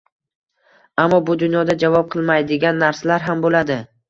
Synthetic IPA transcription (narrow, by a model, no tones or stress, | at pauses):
amːɒbʊd̪ʊnjɒd̪ad͡ʒavɒp̚qʰɨlˠmajd̪ɪɡʲanːaɾsalaɾɦambolad̪ɪ